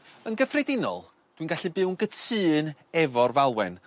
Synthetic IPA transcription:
ənɡəfrɛdɪnɔ̰lˠ | d̥winɡaɬɨbɨwnɡətʰɨːnɛvɔrvalˠwɛn

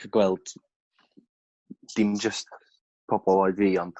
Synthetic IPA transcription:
əɡwɛlˠd̥ | d̥ɪmd͡ʒəst | pʰɔbɔlˠɔɨdviːɔntʰ

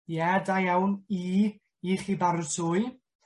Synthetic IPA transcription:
jɛdajawni | iχibaɾsʰʊɨ

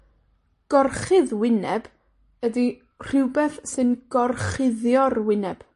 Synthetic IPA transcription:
ɡ̥ɔrχɨðwɪnɛb̥ | ədi | r̥ɪwbɛθsɨnɡ̥ɔrχɪðjɔrwɪnɛb̥

